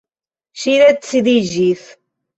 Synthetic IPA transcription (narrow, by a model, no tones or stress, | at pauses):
ʃiɾæt͡sːðiʒiθ